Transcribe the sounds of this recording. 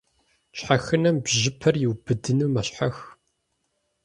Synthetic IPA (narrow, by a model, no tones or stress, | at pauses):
ɕħaxɨnɐmbʑɪpʰɐrjɪwbɨdɨnɨːmɐɕħax